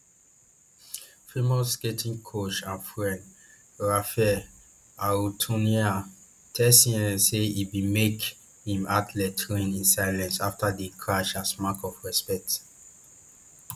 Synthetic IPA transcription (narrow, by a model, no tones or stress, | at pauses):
fɹimɔsketʰĩŋkʰot͡ʃãnfɹɛ̃nd | ɹafɛ | autʰũnia | tʰɛsĩɛ̃seibimek | hĩmatlɛtʰɹĩnĩnsaɪlɛ̃nsaftadekʰɹaʃasmakɔfɹɛspɛk̚t